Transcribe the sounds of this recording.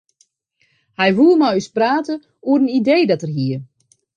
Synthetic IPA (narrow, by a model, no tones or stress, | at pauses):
hɛjʋumajyspraːtə | uəɾənideːdɔtərɦiə